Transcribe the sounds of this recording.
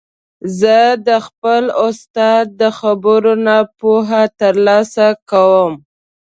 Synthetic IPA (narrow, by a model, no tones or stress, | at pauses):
zəd̪əxpəlʊst̪ɑd̪̚ːəxabəɾonapoɦat̪əɾlɑsakawəm